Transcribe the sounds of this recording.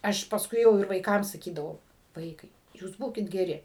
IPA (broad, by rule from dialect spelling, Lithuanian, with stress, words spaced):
ˈɐʃ pɐsˈkʊɪ jɛʊ ɪr ʋɐɪˈkɐm sɐˈkʲiːdɐʋɐʊ ˈʋɐɪkɐɪ juːs ˈbuːkʲɪt ɡʲɛˈrʲɪ